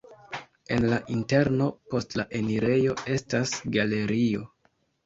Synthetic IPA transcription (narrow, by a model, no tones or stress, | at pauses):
e̞nlaʔinte̞ɾno̞po̞stlaʔe̞niɾe̞jo̞e̞stasɡale̞ɾio̞̰